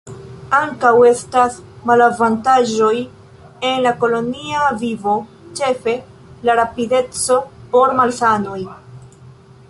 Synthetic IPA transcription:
aŋkawe̞stasmalavantaʒo̞j | e̞nlako̞lo̞niavivo̞ | t͡ʃe̞fe̞ | laɾapide̞t͡so̞po̞ɾmalsano̞j

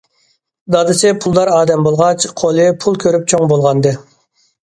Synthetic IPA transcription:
d̪ɑd̪ɨsɪpʰulˠd̪ɑɾɑːd̪ɛmbolˠʁɑt͡ʃqʰolˠɨpʰulˠkʲʰøɾyp̚t͡ʃʰoŋbolˠʁɑnd̪ɨ

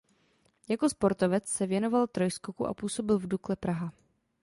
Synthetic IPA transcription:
jako̞spo̞ɾt̪o̞vɛt͡ssɛvjɛno̞valt̪ɾo̞jskokuʔa̰puːso̞bɪlvduklɛpɾaɦa

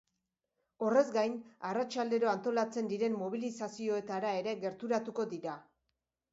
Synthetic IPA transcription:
o̞re̞zɡajnarat͡ʃald̪e̞ɾo̞ant̪o̞lat͡se̞nd̪iɾe̞mːo̞β̞ilisasio̞e̞t̪aɾae̞ɾe̞ɣe̞ɾt̪uɾat̪uko̞d̪iɾa

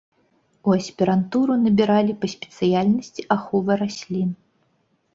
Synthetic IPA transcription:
uɐsʲpʲɛɾant̪uɾunɐbʲiɾalʲipɐsʲpʲɛ̥t̪sɨjalʲnɐsʲt͡sʲiʔaxɔvɨɾasʲlʲin

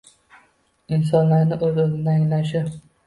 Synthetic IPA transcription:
ɪns̬ɒnlaɾnɪʔɵzozɪnɪaŋlaʃ̬ɪ

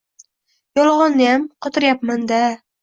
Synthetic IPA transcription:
jɒlˠʁɒnːɪjamqʰɒt̪ʰɪɾjapmand̪a

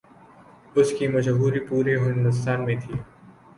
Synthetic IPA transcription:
ʊskimɐʃɦuːɾipuːɾeɦɪɪ̃nd̪ʊs̬t̪aːnmẽt̪ʰiː

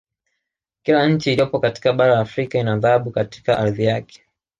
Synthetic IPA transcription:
kilaɲ̩t͡ʃiːliɔpɔkati̥kaɓaɾalaːfɾikainaðahaɓukati̥kaʔaɾðijakɛ̥

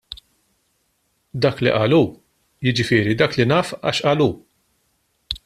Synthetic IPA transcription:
d̪ɐːklḭʔɐːluː | jɪd͡ʒɪfɪːɾid̪ɐːklinɐːfɐ̰ːʃʔɐːluː

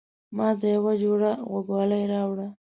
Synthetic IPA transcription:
mɑd̪əjawad͡ʒoɽaɣaɡwɑlajɾɑwɽa

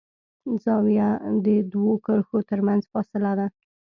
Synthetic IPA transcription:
zɑwjad̪əd̪wokəɾxot̪əɾmanzfɑsɪlad̪a

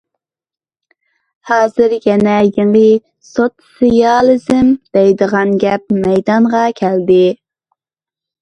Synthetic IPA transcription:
hɑːzɨɾjɛnɛjɪŋi | sot̪sijɑlˠɪzɪmd̪̥ɛjd̪əʁɑnɡʲɛp̚mɛjd̪ɑɴʁɑkʲʰæld̪ɪ

